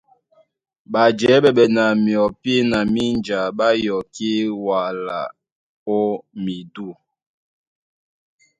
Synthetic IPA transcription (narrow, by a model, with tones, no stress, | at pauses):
ɓa˨d͡ʒɛ˨˦ɓɛ˨ɓɛ˨na˨mjɔ˨pi˦na˨mi˦nd͡ʒa˨ɓa˦jɔ˨ki˦wa˨la̰˨ | o˦mi˨du˦˨